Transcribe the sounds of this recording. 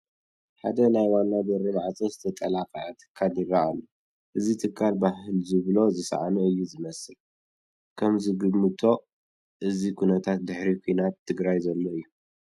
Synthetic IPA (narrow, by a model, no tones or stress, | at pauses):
ħad̪ɐnajwanːad̪ɐɾiβaʕat͡sʼɐzɨt̪ʰɐt̪ʼɐlaqʼɐjat̪ʰɨ̥kʰːaljɪraʔalːo | ʔɨzit̪ʰɨkʰːalbaɦɨlzɨβlo̞zɨsɐ̰ʕa̰nɐɨjːuzɨmɐsɨl | kʰɐmzɨɡɨmːɨt̪ʰo̞ | ʔɨzikʰunɐt̪ʰat̪̚d̪ɨħɾikʷʰujnat̪ʰːɨɡɾajzɐlːo̞ɨjːu